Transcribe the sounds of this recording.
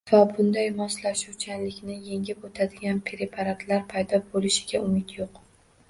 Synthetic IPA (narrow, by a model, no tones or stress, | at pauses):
vabʊnd̪ajmɒslaʃuwt͡ʃʰanlɪkʲnɪje̞ŋʲɪpot̪ʰad̪ɪɡʲanpʰeɾepʰaɾat̪ʰlaɾpʰajd̪ɒbolɪʃɪ̥ɡʲaʊmɪt̪joq